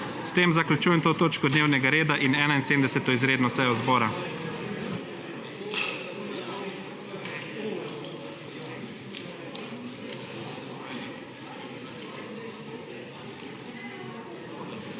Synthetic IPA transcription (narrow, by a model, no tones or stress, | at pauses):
st̪eːmzaklʲut͡ʃujɛmt̪oːt̪oːt͡ʃkɔd̪neːwnɛɡaɾeːd̪aʔinɛːnainseːmd̪ɛsɛt̪ɔizɾeːd̪nɔsɛjɔzbɔːɾa